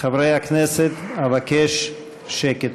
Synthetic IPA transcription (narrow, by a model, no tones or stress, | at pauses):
χavɾejhakneset̪avakeʃ | ʃeket̪